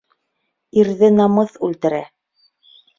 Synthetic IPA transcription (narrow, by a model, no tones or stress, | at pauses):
iɾðɘnɑmɤθʉlt̪ɘ̆ɾæ